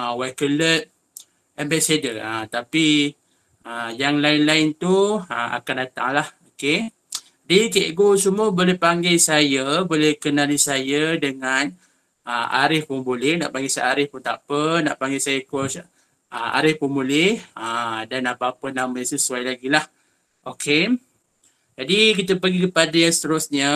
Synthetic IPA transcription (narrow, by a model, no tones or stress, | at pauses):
əwakələt̪̚ | ɛmbɛsedəət̪api | əjaŋlainlaɪnt̪uəma̰kandat̪a̰ŋlahoke | dikeɡosumuəbolɛhpaŋɡesajəbolɛhkənalisajədəŋan | əa̰ɾɪhpʊnbolɪhna̰ʔpaŋɡɪsajaɾɪhpʊnt̪apəna̰ʔpaŋɡasajəkɔs | əmʔa̰ɾɪhpunbulɪhədanapaːpənãmasəsuajlaɡilah | ʔokʰe | d͡ʒadikit̪̬əpəɡikəpadajãŋsə̥t̪əɾusɲə